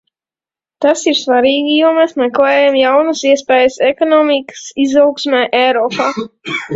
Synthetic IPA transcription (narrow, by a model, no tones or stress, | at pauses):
t̪asiɾsvaɾiːɡʲijuɔmɛsmɛklˠɛːjamjawnəsiɛspɛːjəsɛkɔnɔːmikə̥sizawksmɛːʔɛjɾɔːpaː